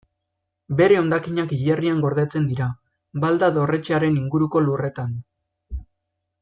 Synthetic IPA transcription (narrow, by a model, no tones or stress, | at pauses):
be̞ɾe̞o̞nd̪akiɲakiʎeriaŋɡo̞ɾðet͡se̞nd̪iɾa | bald̪aðo̞re̞t͡ʃeaɾe̞niŋɡuɾuko̞lure̞t̪an